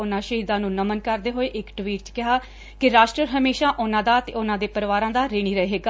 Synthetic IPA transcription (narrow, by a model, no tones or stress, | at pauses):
ʊnãːʃəɦiːd̪ãːnũːnəmənkəɾd̪eːɦoːeːʔɪkʈʋiːʈ̚t͡ʃə̥kɪɦaː | kɪɾaːʃʈɾəɾɦəmeːʃaːʔʊnãːd̪aːət̪ḛːʊnãːd̪eːpəɾʋaːɾãːd̪aːɾeːɽ̃iːɾəeːɦeːɡaː